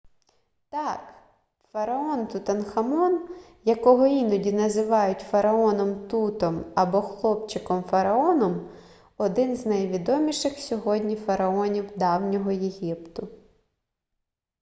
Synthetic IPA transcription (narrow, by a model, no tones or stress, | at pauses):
t̪ɑk | fɐɾɐɔnt̪ʊt̪ɐnxɐmɔn | jɐkɔɦɔinɔdʲinɐzɪʋɑjʊtʲfɐɾɐɔnɔmt̪ut̪ɔmɐbɔxlˠɔpt͡ʃɪkɔmfɐɾɐɔnɔm | ɔd̪ɪnznɐjʋʲid̪ɔmʲiʃɪxsʲɔɦɔdʲnʲifɐɾɐɔnʲiwd̪ɑwnʲɔɦɔjeɦʲipt̪ʊ